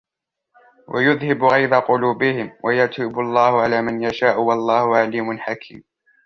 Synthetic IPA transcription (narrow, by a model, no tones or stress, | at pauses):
wʔa̰jʊðhɪbɣɑjd̪aqʊluːbɪhɪmwʔajat̪uːbʊlˤːɑːhʊʕalaːmanjaʃaːʔʊwɑlˤːɑːhʊʕaliːmʊnħakʰḭːm